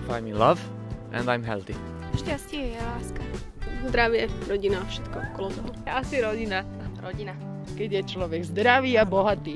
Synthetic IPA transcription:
fa̰jmilav | ʔɛ̰̃nd̪ajmɦɛ̰lt̪i | ʃcascɪɛjɛlaːska | zd̪ɾaʋɪɛɾɔɟinafʃɛ̥t̪kɔɔkɔlɔt̪ɔɦɔɛasiɾɔɟina | ɾɔɟina | kɛɟjɛt͡ʃlɔʋɛɡzd̪ɾaʋiːabɔɦat̪iː

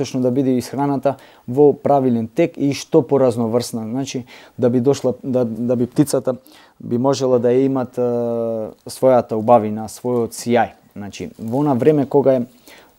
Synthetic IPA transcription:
ɔt͡ʃnɔd̪abid̪ɛisxɾanat̪a | vɔpɾavilɛnt̪ɛkiʃt̪ɔpɔɾaznɔvr̩snaznat͡ʃid̪abid̪ɔʃlˠad̪ad̪abip̚t̪it̪sat̪a | bimɔʒɛlˠad̪ajaimat̪ | svɔjat̪aubavinasvɔjɔt̪siaj | znat͡ʃḭvonavɾɛmɛkɔɡaɛ

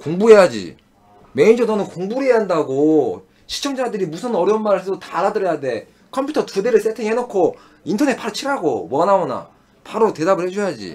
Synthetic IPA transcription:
koŋbuɦe̞jad͡ʑḭ | me̞ind͡ʑʌnʌnɯnkoŋbuɾe̞jaɦandaɡo | ɕʰi̥t͡ɕʰʌŋd͡ʑadɯɾimusʰɯnʌɾjʌnmaɾɯɭs̬ʰeotaɾadɯɾʌjade̞ | kʰʌmpʰutʰʌtudeɾɯɭs͈ʰetʰeŋiɦenokʰo | intʰʌne̞t̚paɾot͡ɕʰiɾaɡo̰wʌnaona̰ | paɾote̞dabɯɭhed͡ʑojad͡ʑḭ

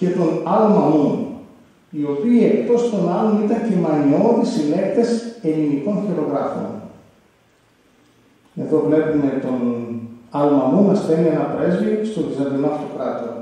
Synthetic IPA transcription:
ce̞t̪o̞nɐlmɐu | io̞piːe̞kt̪o̞st̪o̞nɐlonit̪ɐncemɐnio̞ðisile̞kt̪e̞se̞liniko̞nçiɾo̞ɣɾɐfo̰n | eðo̞vle̞pume̞t̪o̞n | ɐlmɐunɐspe̞nienɐpɾe̞zviost̪ovizɐd̪inoɐft̪o̞kɾɐt̪oo

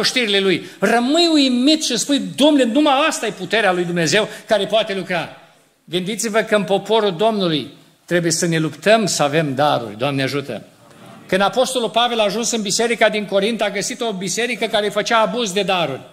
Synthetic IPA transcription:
oʃt̪iɾilelujrəmɨjujimit̪ʃilspujd̪omnenumajast̪ajeput̪e̞ɾealujd̪umneze̞wkaɾe̞poat̪e̞lukɾa | ɡɨnd̪it̪sivəkəɨnpo̞po̞ɾuld̪o̞mnuluj | t̪ɾe̞bujesəne̞lupt̪əmsəave̞md̪aɾṵrʲd̪oamneaʒut̪ə̰ | kɨnd̪apo̞st̪o̞lulpave̞laːʒunsɨnbise̞ɾikad̪iŋko̞ɾint̪aɡəsit̪o̞bise̞ɾikəkaɾe̞fət͡ʃaːbuzd̪e̞d̪aɾurʲ

